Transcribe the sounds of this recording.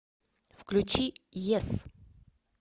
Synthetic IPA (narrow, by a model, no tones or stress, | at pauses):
fklʲʉt͡ɕijɛs